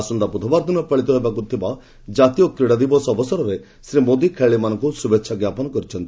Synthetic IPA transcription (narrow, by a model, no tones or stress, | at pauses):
sund̪apud̪ʰʱɔbaɾd̪inɔpɐɭit̪ɔɦebakut̪ʰiba | d͡ʒat̪ijɔkɾiɽad̪ibɔsɔɔbɔsɔɾɔɾe | sɾimod̪ikʰeɭemanɔ̃ŋkusubekːʃʰaɡjapɔnɔkɔɾit͡ʃʰɔnt̪i